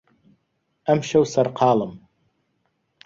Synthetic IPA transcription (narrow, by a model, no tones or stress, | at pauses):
amʃawsarqʰaːlam